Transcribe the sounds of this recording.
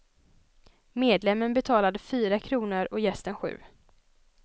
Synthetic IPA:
meːd̪lɛmːənbɛt̪ʰɑːlad̪əfyːɾakʰɾuːnəɾɔjɛst̪ənɧʉ̟̰ː

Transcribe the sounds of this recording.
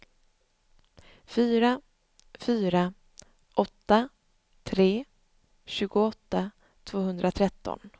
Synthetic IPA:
fyːɾa | fyːɾa | ʔɔt̪ːa | t̪ʰɾeː | ɕʉ̟ːɡʊɔt̪ːa | t̪ʰv̥oːɦɵnd̪ɾʔat̪ʰɾɛt̪ːɔ̰n

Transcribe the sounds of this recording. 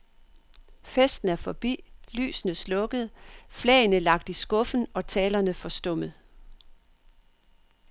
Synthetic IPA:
fesd̥n̩æɐfɒ̽b̥ḭːly̰ːsnəslɔ̽ɡ̥ð̩ˠflɛ̰ːɪnəlɑ̈ɡ̥̚d̥isɡ̥ɔ̽fn̩ɒ̽t͡sʰɛːlɐnəfɒ̽sd̥ɔ̽m̰əð̩ˠ

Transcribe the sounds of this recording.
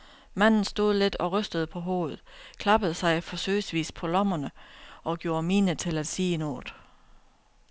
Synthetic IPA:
mæn̰n̩sd̥o̝ð̞̰ˠle̝d̥ɒ̽ʁœsd̥əð̞̩ˠəpʰɒ̽ɦo̝ːðð̩ˠkʰlɑ̈b̥əð̞̩ˠsɑ̈ɪfɒ̽sø̰ːɪsʋḭːspʰɒ̽lɒ̽mɐnəʔɒ̽ɡ̥jo̝ːɐmiːnət͡sʰe̝læd̥siːe̝noːd̥

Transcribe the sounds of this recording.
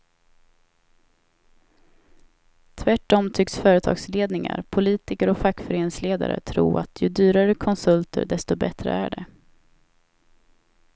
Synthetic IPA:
t̪ʰvæʈːɔmt̪ʰʏksfœːɾət̪ʰɑ̰ːɡsleːd̪nɪŋa̰ɾpʰʊliːt̪ɪkəɾɔfakːfœɾeːnɪŋsleːd̪aɾə̰t̪ʰɾṵːat̪ʰjɵd̪yːɾaɾkʰɔnsɵlt̪ʰə̰ɖɛst̪ʊbɛt̪ɾə̰æɖɛ

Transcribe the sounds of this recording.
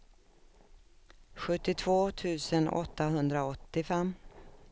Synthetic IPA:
ɧɵt̪ːɪt̪ʰvoːt̪ʰʉ̟ːsənɔ̰t̪ːaɦɵnd̪ɾaɔt̪ːɪfɛmː

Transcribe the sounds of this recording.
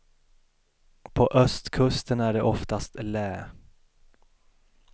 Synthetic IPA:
pʰɔʔœst̪kʰɵst̪ənæɖɛʔɔft̪ast̪lɛː

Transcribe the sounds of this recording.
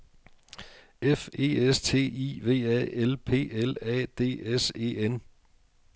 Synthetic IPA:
efe̝̰ːest͡sʰe̝̰ːḭːʋe̝̰ːɛ̰elpʰe̝̰ːelɛ̰ːd̥e̝̰ːese̝̰ːen

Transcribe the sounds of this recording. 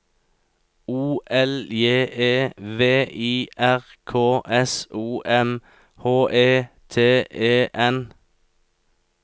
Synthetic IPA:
uːʔɛljeːʔeːʋeːʔiːʔæʁkʰoːʔɛsuːʔɛm | hoːʔeːt̪ʰeːeːʔɛn

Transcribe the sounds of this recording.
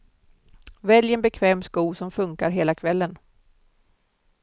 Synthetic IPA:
vɛljɛnbɛkʰvɛːmskuːsɔmfɵŋkaɾɦeːlakʰvɛlːən

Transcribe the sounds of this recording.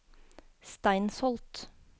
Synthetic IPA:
st̪æɪnsɔlt̪

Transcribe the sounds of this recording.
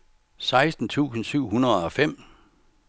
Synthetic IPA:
sɑ̈ɪsd̥n̩t͡sʰṵːsn̩syʊ̰hunɐðˠɒ̽fem̰

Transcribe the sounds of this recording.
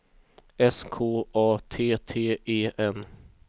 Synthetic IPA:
ɛskʰoːʔɑːt̪ʰeːt̪ʰeːeːʔɛn

